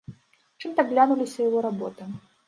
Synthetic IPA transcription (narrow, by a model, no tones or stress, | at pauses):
t͡ʂɨmt̪ɐblʲanulʲisʲɐjavɔɾabɔt̪ɨ